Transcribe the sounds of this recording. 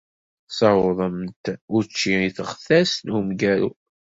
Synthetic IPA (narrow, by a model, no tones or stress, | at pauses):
sɑwðˤəmt̪ʊɾt͡ʃːiiθəʁθæsnumɡæɾṵ